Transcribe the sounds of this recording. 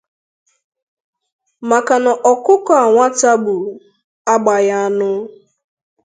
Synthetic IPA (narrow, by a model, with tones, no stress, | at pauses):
ma˨ka˨na˨ʔɔ˨kʊ˦kɔ˨a˨ŋʷa˦ta˦bu˨ | a˦ɡ͡ba˨ja˦a˦nʊ˦